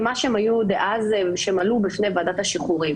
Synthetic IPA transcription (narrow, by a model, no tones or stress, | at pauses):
maʃemajud̪eʔazvʃeemalubifne̞jvaːd̪at̪haʃiχuʁim